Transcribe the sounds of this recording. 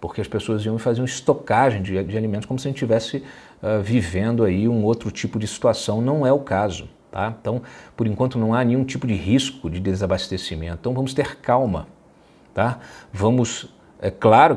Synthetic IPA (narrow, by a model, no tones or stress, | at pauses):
poɾkeɐspesoɐzijɐ̃ɪfazĩjɐ̃ɪst̪okaʒẽj̃d͡ʒɪd͡ʒɪalimẽt̪ʊskomʊsɐʒẽnt͡ʃɪt͡ʃivɛsɪ | ɛvivẽnd̪ʊaiũowt̪ɾʊt͡ʃipʊd͡ʒɪsi̥t̪uasɐ̃w̃nɐ̃w̃ɛʊkazʊ̰ | t̪ãt̪ɐ̃w̃poɾĩŋkwɐ̃nt̪ʊnɐ̃w̃anẽɲ̃ũt͡ʃipʊd͡ʒɪɦiskʊd͡ʒɪd̪ezabast̪esimẽt̪t̪ɐ̃w̃vɐ̃mʊst̪eɾkawmɐ̰ | t̪avɐ̃mʊs | ɛklaɾʊ